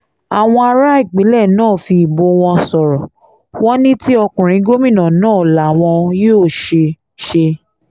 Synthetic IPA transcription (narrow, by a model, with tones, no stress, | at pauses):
a˨w̃ɔ̃˧a˧ɾa˦i˦˨ɡ͡bi˨˦lɛ˦˨nãː˦˨fi˧˨bo˧w̃ɔ̃˧sɔ˨ɾɔ˨ | w̃ɔ̃˦nĩ˦ti˦ɔ˧kũ˨ɾ̃ĩ˨˦ɡo˦mĩ˦˨nã˨nãː˦˨la˨w̃ɔ̃˧joː˦˨ʃe˧ | ʃe˧